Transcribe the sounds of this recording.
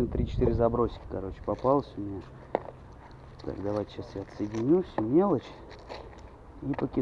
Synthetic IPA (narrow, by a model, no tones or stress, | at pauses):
nt̪ɾʲit͡ɕɪ̥t̪iɾʲɪzɐbɾo̞sʲɪ̥kʲɪ̥kɐɾo̞t͡ɕɪ̥pɐpɑlˠəsʲʊmʲɪnʲa | t̪a̰kd̪ɐvajtʲɪɕasjat̪səjdʲɪnʲufsʲʊmʲelˠət͡ɕ | ipəkʲɪ